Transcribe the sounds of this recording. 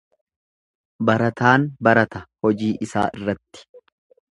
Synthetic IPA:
bɐɾɐt̪aːnbɐɾɐt̪ɐhɔd͡ʒiːʔɪsa̰ːʔɪrːɐt̪ːɪ̥

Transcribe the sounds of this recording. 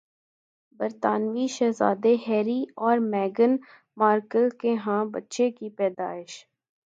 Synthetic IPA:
bəɾt̪aːnʋiʃɛːza̰ːd̪eɦɛːɾiɔːɾmɛːɡən | maːɾkəlkeɦãːbətːʃekipɛːd̪aːɪʃ

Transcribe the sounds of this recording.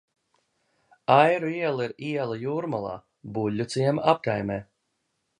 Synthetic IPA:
ajɾuiɛlˠiɾiɛlˠajuːɾmalˠa̰ː | bulʲːut̪siɛmap̚kajmɛː

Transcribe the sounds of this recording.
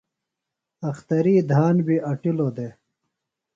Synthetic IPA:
ɐxt̪ɐɾiːd̪ʱaːnbiʔɐʈilod̪e

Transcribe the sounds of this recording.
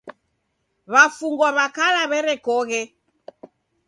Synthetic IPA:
βafuŋɡɔβakalaβɛɾɛkɔɣɛ

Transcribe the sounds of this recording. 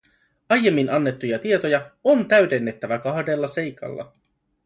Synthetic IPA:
ɑjːe̞mːinɑnːe̞t̪ːujɑt̪ie̞t̪o̞jɑont̪æɥde̞nːe̞t̪ːæʋækɑhde̞lːɑse̞jkʰɑ̰lːɑ̰

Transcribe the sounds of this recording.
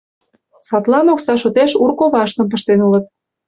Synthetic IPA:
sɑt̪lɑnoksɑʃot̪eʃurkoβɑʃt̪ə̆mp̬ə̆ʃt̪enulə̆t̪̚

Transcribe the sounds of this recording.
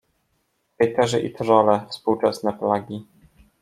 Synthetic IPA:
pɛjt̪ɛʐɘʔḭt̪ʐɔlɛfspuwt͡ʂɛsnɛplaɡʲi

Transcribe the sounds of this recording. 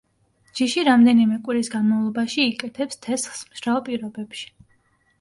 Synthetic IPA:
d͡ʒiʃiɾamd̪ɛnimɛkʼwiɾisɡanmavlˠɔbaʃiːkʼɛt̪ʰɛpst̪ʰɛsχsmʃɾaɔpʼiɾɔbɛpʃi̥

